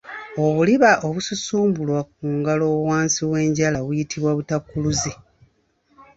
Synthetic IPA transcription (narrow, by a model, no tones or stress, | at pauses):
o̞βuliβaʔoβususuːmbulwak̚uːŋɡalowaːnsiwe̞ːɲɟalaβujitʰiβwaβutakːuluze